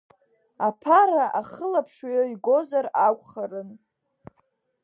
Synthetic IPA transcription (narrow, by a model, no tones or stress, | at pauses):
apʰaɾaʔaχəlapʰʂajoiɡʷo̞zaɾakʷʼχarɨn